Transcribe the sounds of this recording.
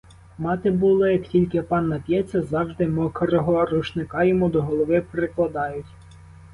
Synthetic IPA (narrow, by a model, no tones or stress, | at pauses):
mɑt̪ɪbulˠɪjɐktʲilʲkɪpɑnːɐpʲjɛt͡sʲːɐzɑwʒd̪ɪmɔkɔɾɔɦɔɾuʃnɪkɑjɔmud̪ɔɦɔlˠɔʋɪpɾɪklˠɐd̪ɑjʊtʲ